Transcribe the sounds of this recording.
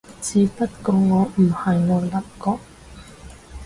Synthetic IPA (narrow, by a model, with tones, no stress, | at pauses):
t͡sʰiː˨˧pɐ˥t̚kɔː˧ŋɔː˨˧m̩˨˩hɐ˨jŋɔː˨˧lɐ˨˩p̚kɔː˧˩k̚